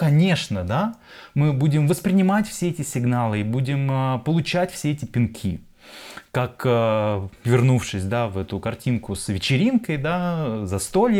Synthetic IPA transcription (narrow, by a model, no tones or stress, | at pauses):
kɐnʲe̞ʂnəd̪a | mɨbudʲɪmvəspɾʲɪnʲɪmatʲfsʲeɛtʲɪsʲɪɡnalˠɨibudʲɪməpəlˠʊt͡ɕætʲfsʲeɛtʲɪpʲɪnkʲʰḭ | kakəvʲɪrnufʂɨsʲd̪avɛt̪ʊkɐrtʲinkʊsvʲɪt͡ɕɪɾʲinkəjd̪azɐst̪olʲ